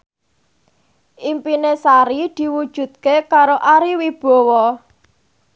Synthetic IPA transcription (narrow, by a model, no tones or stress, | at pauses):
ʔimpinesaɾid̪̥i̤wud̥ʒ̥ṳt̪̚kekaɾoʔaɾiwib̥ɔ̤wɔ